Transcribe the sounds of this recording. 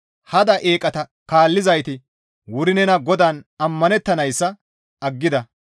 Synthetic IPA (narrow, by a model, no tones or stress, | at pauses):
hɐd̪ɐʔe̞ːkʼɐt̪ɐkaːlːɪzɐjt̪ɪ | wʊɾɪnɛnɐɡɔd̪aːnɐmːɐnɛt̪ːɐnɐjsːɐ | ɐɡːɪd̪ɐ